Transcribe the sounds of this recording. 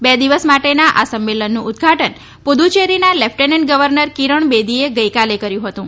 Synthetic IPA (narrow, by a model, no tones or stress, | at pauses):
bɛd̪iʋəsmaʈenaʔasəmːelənːũʊd̪ɡʱaʈən | pod̪ʱut͡ʃeɾinalefʰʈeneɳʈɡəʋəɾnəɾkiɾəɳbed̪ʱieɡəjkalekəɾjũɦət̪ũ